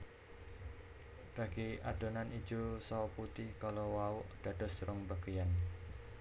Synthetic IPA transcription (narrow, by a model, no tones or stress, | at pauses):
b̥a̤ɡ̥iad̥ɔ̤nani̥d͡ʒosɔput̪ɪhkalowaʊʔd̥ad̥ɔsɾɔŋbaɡ̥əjan